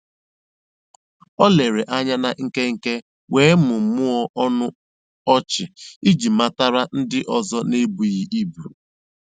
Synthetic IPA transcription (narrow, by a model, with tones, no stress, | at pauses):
ɔ˦le˨ɾe˨ʔa˦ɲa˦na˦ŋ̩˦ke˦ŋ̩˨ke˦ | weː˨˦mʊ˨mʊ˦ɔ˦ʔɔ˦nʊ˦ | ɔ˦t͡ʃɪ˨i˦d͡ʒi˨ma˦ta˦ɾa˦n̩˦dɪ˦ʔɔ˨zɔ˦ne˦bu˨ɣi˨ʔi˦bu˨